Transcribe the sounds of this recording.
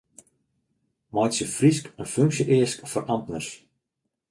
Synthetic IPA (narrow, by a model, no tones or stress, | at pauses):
mɔjtsjəfriskənføŋksjəʔeəskfɔrʔɑmtnərs